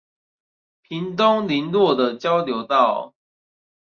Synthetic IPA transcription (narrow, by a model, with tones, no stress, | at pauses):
pʰi˨˦nt̪̬o˦˥ŋli˨˦nlwɔ˥˨d̪ə˨t͡ɕjɑ˦ʊljo˧˦ʊt̪ɑ˥˨ʊ